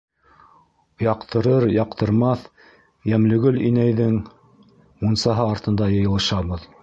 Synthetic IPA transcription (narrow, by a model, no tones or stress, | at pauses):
jɑqt̪ʰɤ̆ɾɤɾjɑqt̪ɤ̆ɾmɑθ | jæmlɵ̆ɡɵlinæjðɘŋ | munsɑɦɤɑɾt̪ɤ̆nd̪ɑjɤ̆jɤ̆lˠɤ̆ʃɑβɤð